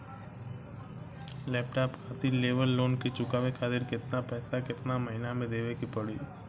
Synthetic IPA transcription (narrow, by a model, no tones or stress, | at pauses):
lɛːp̚ʈaːpkʰaːt̪ileːʋəlːoːnkit͡ʃʊkaːʋekʰaːt̪ɪɾkɪt̪napɛːsakɪt̪naməɦɪnamẽd̪eːʋekipəɽiː